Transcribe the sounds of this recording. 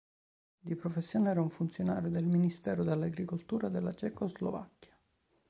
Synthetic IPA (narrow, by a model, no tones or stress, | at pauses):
d̪ipɾofesːjoːneɛːɾauɱfunt̪sjona̰ːɾjod̪elminist̪ɛːɾod̪elːaɡɾikolt̪uːɾad̪elːat͡ʃɛkozlo̰va̰kːjḁ